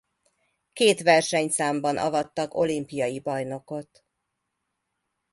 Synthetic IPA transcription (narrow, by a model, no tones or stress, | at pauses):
keːt̪ʋɛrʃɛɲt̪saːmbɒnʔɒ̰vɒt̪ːɒko̞limpijɒjibɒjno̞ko̞t̪